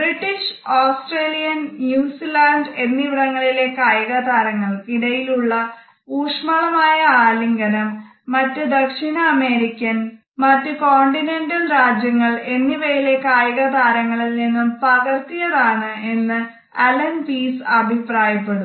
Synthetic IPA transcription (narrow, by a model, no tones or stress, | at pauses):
briʈːiʂoːsʈreːlijɐnnjuːsilaːɳɖe̞nːiʋiɽɐŋːɐɭile̞ːkːaːjɐɣɐd̪aːɾɐŋːɐɭiɽɐjiluɭːɐ | uːʂmɐɭɐmaːjɐaːliŋɡɐnɐmː | ɐtːɨd̪ɐkʂinɐːme̞ːɾikʲːɐn | mɐtːɨko̞ːɳɖinendɐnɾaːd͡ʑjɐŋːɐɭe̞nːiʋɐjile̞ːkːaːjɐɣɐd̪aːɾɐŋːɐɭilninːumpɐɣɐrt̪ijɐðaːɳɨe̞nːɨ | ɐlɐnpiːsɐbʱipraːjɐpːe̞ɽum